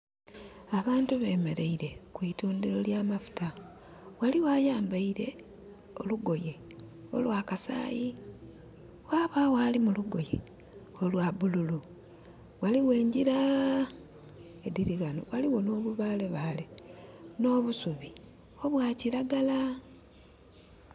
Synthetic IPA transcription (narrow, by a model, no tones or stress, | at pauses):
aβaːntuβe̞ːme̞ɾeiɾe̞kwiːtuːndiɾo̞ljaːmafu̥ta | waliwaːjaːmbaiɾe̞ | oluɡo̞je̞ | o̞̰lwaːkasa̰ːji | waːβawaːlimuluɡo̞je | o̞lwaβululu | waliɣwe̞ːɲɟiɾa | ediɾiɣano̰waliwo̞noβuβaːle̞βale̞no̞ːβusuβi | o̞βwaciɾaɡala